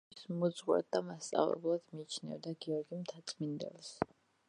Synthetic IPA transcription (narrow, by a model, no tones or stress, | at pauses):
smud̪zʁwɛ̰d̪̚d̪amast̪sʼa̰vlɛ̰blˠad̪miːt͡ʃʰnɛ̰vd̪aɡiɔɾɡimt̪ʰat̪sʰmind̪ɛ̰lˠs